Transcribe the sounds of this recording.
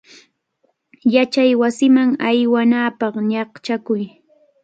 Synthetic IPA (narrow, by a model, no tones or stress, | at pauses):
jat͡ʃajwasɪmaŋajwanaːpɑχɲɑχt͡ʃakʊj